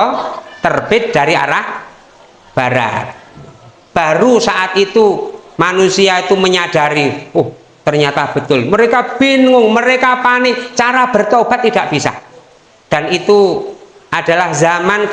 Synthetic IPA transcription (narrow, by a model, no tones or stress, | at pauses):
t̪ərb̥ɪd̪̚daɾia̰ɾah | b̥aɾa̰t̪̚ | b̥aɾusaʔat̪it̪umanusiait̪uməɲad̥aɾiʊh | t̪ərɲat̪ab̥ə̤t̪ʊlməɾekab̥inŋʊŋməɾekapanɪt͡ʃaɾab̥ərt̪ob̥a̤t̪ːidaʔb̥isa̰h | d̥anit̪u | ʔad̥alahzaman